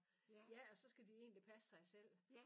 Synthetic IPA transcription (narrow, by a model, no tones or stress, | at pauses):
jæɒ̽sɒ̽sɡ̥æd̥ie̝̰ːnlipʰæsə̥sɑ̈ɪsel̰